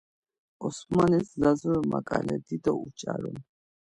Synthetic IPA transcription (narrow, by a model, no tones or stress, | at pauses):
ɔsmanɛszazɔɾɔmakʼalɛd̪id̪ɔut͡ʃʼaɾɔn